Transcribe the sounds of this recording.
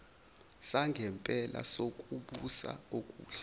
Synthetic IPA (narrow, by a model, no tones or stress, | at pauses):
saŋɡʱɛmpʼɛla̰sok̬ʼuɓusa̰okʼuːɬ